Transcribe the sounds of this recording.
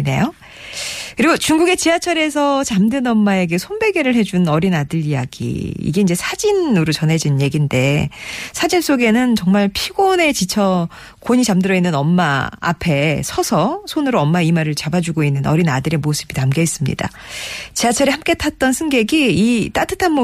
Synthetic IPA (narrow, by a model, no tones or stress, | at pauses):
ne̞̰jo | kɯɾiɡot͡ɕuŋɡuɡe̞t͡ɕiat͡ɕʰʌɾe̞s̬ʰʌt͡ɕamdɯnʌmːae̞ɡe̞sʰonbe̞ɡe̞ɾɯɭhe̞d͡ʑunnʌɾinadɯɾijaɡḭḭɡe̞ind͡ʑe̞sʰad͡ʑinɯɾot͡ɕʌnɦe̞d͡ʑinɯnje̞ɡinde̞sʰad͡ʑins͈oɡe̞nɯnt͡ɕʌŋmaɭpʰiɡone̞t͡ɕit͡ɕʰʌ | koɲit͡ɕamdɯɾʌinːɯnʌmːa̰ːpʰe̞sʰʌsʰʌsʰonɯɾoʌmːaimaɾɯɭt͡ɕabad͡ʑuɡoinːɯnʌɾinadɯɾe̞mosʰɯbitamɡeis͈ɯmɲḭda̰ | t͡ɕiat͡ɕʰʌɾihamk͈e̞tʰat̚t͈ʌnsʰɯŋɡe̞ɡiit͈atʰɯtʰanmo